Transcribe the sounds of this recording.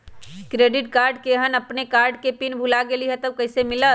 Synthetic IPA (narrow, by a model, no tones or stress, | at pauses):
kɾeːɖɪʈkaːɾɖkeɦənəpnekaːɾɖkepinbʱulaɡeliɦɛt̪əwkəɦsemɪlət̪